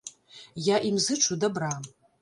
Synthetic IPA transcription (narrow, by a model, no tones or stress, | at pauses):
jaʔimzɨʈ͡ʂʰudabram